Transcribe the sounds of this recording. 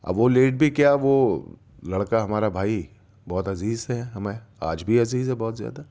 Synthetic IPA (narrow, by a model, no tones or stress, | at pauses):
ɐ̰bʋoleːʈ̚bʱikjaʋo | lɐɽkaɦɐmaːɾabʱaːi | bɔːt̪ɐziːzseɛɦɐmaa̰ːd͡ʒbʱiɐziːzɦɛbɔːt̪zja̰ːd̪a